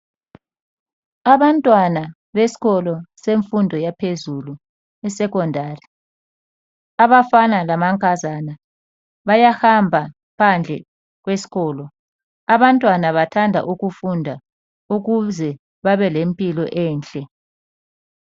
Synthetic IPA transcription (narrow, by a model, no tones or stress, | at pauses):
aβantʼwana | βesi̥ɣɔlɔseɱfundʱɔjapʰezulu | ɛsɛkɔndʱaːri | aβafanalamaŋkʼazana | βajahambʱa | pʰand͡ɮʱɛ̰ | ɣ̬wesi̥ɣɔːlɔ | aβantʼwanaβatʰandʱa̰ʔuɣufundʱa | uɣuzɛ | βaβɛlempʼilɔʔɛːnt͡ɬʼɛ